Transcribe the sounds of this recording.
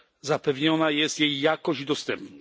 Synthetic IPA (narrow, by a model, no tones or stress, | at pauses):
zapɛvɲɔnajɛst̪jejːakɔʑd̪ɔst̪ɛmpn